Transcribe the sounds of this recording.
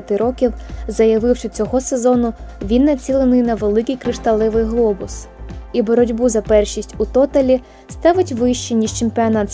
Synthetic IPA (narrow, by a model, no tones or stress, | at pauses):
ɐt̪ɪɾɔkʲiwzɐjɐʋɪwʃɔt͡sʲɔɦɔse̞zɔnʊʋʲinːɐt͡sʲilˠenʊjnɐʋelˠɪkɨjkɾɪʃt̪ɐlˠɪʋɪjɦlˠɔbʊsibɔɾɔdʲbuzɐpɛrʃisʲtʲut̪ɔt̪ɐlʲi | st̪ɑʋɪtʲʋɪjʃt͡ʃinʲiʒt͡ʃempʲiɔnɑt̪